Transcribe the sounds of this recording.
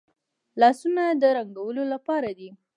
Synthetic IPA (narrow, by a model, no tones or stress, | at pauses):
lɑsunad̪əɾaŋɡawəlolapɑɾad̪i